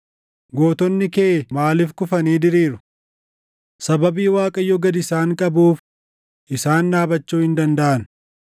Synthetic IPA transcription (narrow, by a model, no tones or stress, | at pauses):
ɡo̞ːt̪ɔnːɪkeʔmaːlɪfkʊfɐniːd̪ɪɾiːɾʊ | sɐbɐbiːwaːkʼɐjːɔɡɐd̪ɪsaːŋkʼɐbuːf | ʔɪsaːnːaːbɐt͡ʃːuːhɪnd̪ɐnd̪ɐʔɐn